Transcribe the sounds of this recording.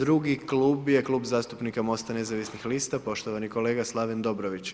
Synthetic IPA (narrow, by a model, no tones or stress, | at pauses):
d̪ɾuɡiklˠuːbje̞klˠuːbzaːst̪upnikamo̞st̪ane̞zaʋisnixlist̪apo̞ʃt̪oʋaniko̞le̞ːɡaslˠaʋend̪o̞bɾoʋit͡ɕ